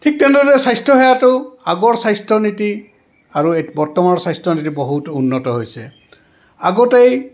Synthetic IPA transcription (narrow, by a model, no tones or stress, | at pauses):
tʰik̚tɛndɔtɛsajstʰɔɦejatʊaɡɔɹsajstʰɔniti | aɹubɔɹtɔmanɔsajstʰɔnitibɔɦutunːɔtɔɦojsɛ | aɡɔtej